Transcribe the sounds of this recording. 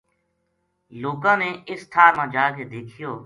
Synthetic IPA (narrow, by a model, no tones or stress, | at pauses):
loːkãːneːɪst̪ʰaːmãːd͡ʒaːkeːd̪eːkʰɪjoː